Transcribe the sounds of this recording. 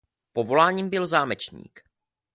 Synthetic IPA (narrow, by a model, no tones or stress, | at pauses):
po̞vo̞laːɲiːmbɪlzaːmɛt͡ʃɲḭːk